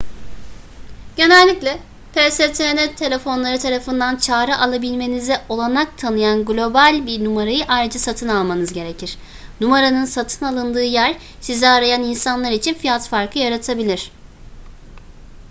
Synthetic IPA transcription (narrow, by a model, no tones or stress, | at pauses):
ɟ̥e̞nɛlʲːiclʲɛ | pʰeset̪ʰenɛt̪ʰːe̞lʲe̞fo̞nlˠaɾɯt̪ʰaɾafɯnd̪ant͡ʃʰaːɾɯʔalˠabilʲme̞nizɛʔo̞lˠanak̚t̪ʰanɯjanɡlʲo̞balʲbiɾnumaɾajɯʔajɾɯd͡ʒasat̪ʰɯnalˠmanɯzɟe̞ɾe̞cʰiɾ̥ | numaɾanɯnsat̪ʰɯnalˠɯnd̪ɯːjæɾ | sizɛaɾajaninsanlˠaɾit͡ʃʰinfijat̪faɾkʰɯjaɾat̪ʰabilʲiɾ̥